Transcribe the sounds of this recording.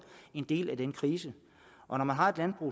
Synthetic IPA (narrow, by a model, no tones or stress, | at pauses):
e̝nd̥e̝̰ːlæd̥enəkʰʁiːsə | ʔɒ̽nɒmænɦɑ̈e̝d̥lænb̥ʁṵ